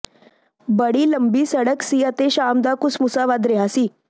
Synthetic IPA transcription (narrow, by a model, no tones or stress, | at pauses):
bəɽiːləmbiːsəɽəksiːat̪eɕamd̪akusmusaʋad̪ɾeɦasiː